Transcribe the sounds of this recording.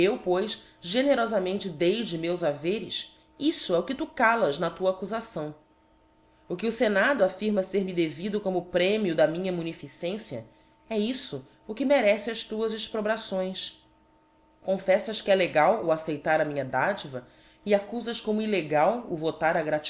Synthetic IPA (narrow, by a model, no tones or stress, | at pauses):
ewpojsʒeneɾɔzamẽnt͡ʃɪd̪ejd͡ʒɪmewzaveɾɪs | isʊɛʊkɪt̪ukalɐznɐt̪uɐakuzasɐ̃w̃ | ʊkɪʊsenad̪ʊafiɾmɐseɾmɪd̪evid̪ʊkõmʊpɾẽmiʊd̪ɐmĩɲɐmunifisẽsjɐ̰ | ɛisʊ | ʊkɪmeɾɛsɪɐʃt̪uɐzɪʃpɾobɾasõj̃s | kõfɛsɐʃkɪɛleɡawʊasejt̪aɾɐmĩɲɐd̪ad͡ʒivɐ | iakuzɐʃkõmʊileɡawʊ̰vot̪aɾɐɡɾat͡ʃ